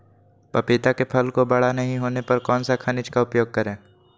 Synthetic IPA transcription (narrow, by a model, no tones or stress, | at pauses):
pɐpit̪akepʰɐlkobɐɽ̤anɐɦĩɦoːnepɐɾkɔːnsakʰɐnɪt͡ʃkaʊpjoːɡ̚kɐɾẽː